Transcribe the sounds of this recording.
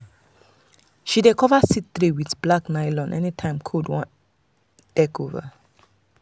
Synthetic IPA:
ʃidekʰɔvasittɾiwidblaknaɪlɔ̃nʔɛ̰nitʰãɪ̃mkʰudwɔ̃ | dɛkova̰

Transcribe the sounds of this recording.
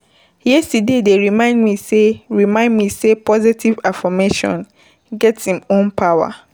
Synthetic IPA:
jɛstidedeɹimãɪ̃ndmĩseɹimãɪ̃ndmĩsepʰɔzitʰivafɔmeʃɔ̰̃n | ɡɛtshĩmõnpʰawa̰

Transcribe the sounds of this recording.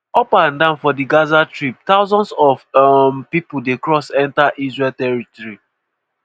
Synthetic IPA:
ɔpãndãnfɔdiɡazatɹip̚t̪aʊzɔ̃nsɔfmpipuldekɹɔsɛ̃ntaʔizɹɛltɛɹitɔɹi

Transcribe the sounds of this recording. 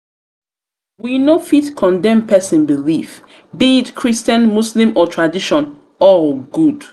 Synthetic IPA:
winofiθkʰɔ̃ndɛ̃mpʰɛsĩnbilif | biːtkʰɹistãnmuslĩmɔtʰɹadiʃɔ̃n | ɔlɡud̥

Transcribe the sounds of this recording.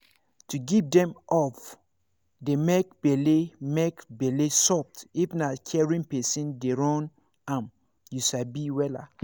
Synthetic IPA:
tuɡivdɛ̃mɔf | demek̚b̥elemekbɛlesɔp̚tifnakʰɛɹĩnpɛsĩndeɹɔ̃n | ãm | juʃabiwɛla̰

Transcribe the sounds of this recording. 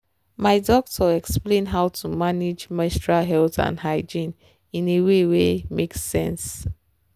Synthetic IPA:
maɪdɔk̚tʰɔɛksplẽnɦawtʰumaned͡ʒmɛ̃stɹalɦɛltã̰nɦaɪd͡ʒĩn | ĩnewewemeksːɛ̰̃ns

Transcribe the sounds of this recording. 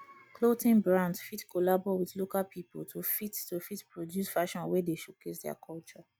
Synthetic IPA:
klotĩnbɹãndfitkʰɔlabɔwiθlokalpʰipo̰ltʰufittofitpɹodjusfaʃɔ̃nwɛdeʃokʰesdɛa̰kʰɔlt͡ʃɔ

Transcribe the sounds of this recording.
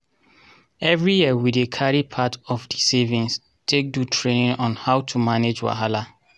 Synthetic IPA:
ɛvɹijiəwidekʰaɹipʰatʰɔfdisevĩns | tʰek̚dutʰɹenĩnɔ̃nhaʊtʰumaned͡ʒwa̰ɦala

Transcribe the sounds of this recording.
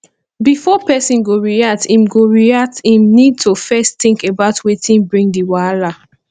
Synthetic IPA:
bifɔpɛsĩnɡoɹiatĩmɡoɹiatĩmnid̚tʰofɛsttĩŋkebaʊtʰwetʰĩnbɹĩŋdiwala

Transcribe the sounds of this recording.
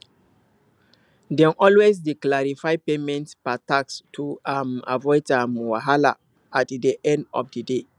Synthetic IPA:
dɛ̃nʔɔlwezdeklaɹifaɪpemɛ̃ntspatakstʰuama̰vɔɪtamwaɦala̰ | atdiʔɛ̃ndɔ̰fdide

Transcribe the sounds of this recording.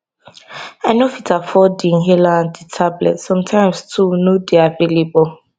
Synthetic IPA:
aɪnofitafɔdĩŋɦɛlãnditʰablɛ̰tsɔ̃mtʰãɪ̃mstʰunodeavelebɔ

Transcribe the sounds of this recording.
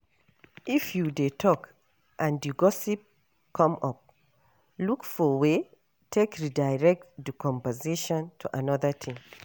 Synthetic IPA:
ʔifjudetʰɔk | ʔãnduɡɔsip̚ | kʰɔ̃mɔp̚ | lukfɔwe | tʰekɹidaɪɹɛk̚tdikʰɔ̃mpəziʃɔ̃ntʰuʔanɔðətʰĩm

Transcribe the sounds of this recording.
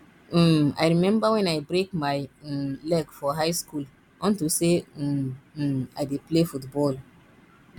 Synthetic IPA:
a̰jɹimɛ̃mbawɛ̃najbɹekmajlɛkfɔɦajskul | ʔɔ̃ntuse | a̰jdeplefutbɔl

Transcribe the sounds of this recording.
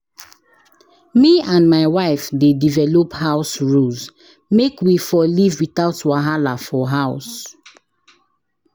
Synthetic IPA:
miãnmaɪwaɪfdedivɛlophaʊsɹulz | mekwifɔlivwitaʊtwaɦalafɔɦaʊs

